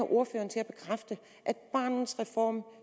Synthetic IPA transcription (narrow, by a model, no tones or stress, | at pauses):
ɑʔo̝ɐfø̰ːɐn̩t͡sʰe̝læb̥e̝kʰʁafd̥ə | ʔæd̥̚b̥ɑ̰̈ːnn̩sʁɛfɒ̰ːm